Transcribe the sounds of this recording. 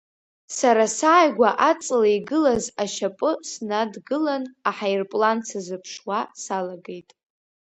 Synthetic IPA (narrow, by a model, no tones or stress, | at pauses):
saɾasaːjɡʷaʔat͡sʼlaiɡɨlazaʃapʼɨsnadɡɨlanaħajrpʼlant͡sʰazɨpʰʂwasalaɡejtʼ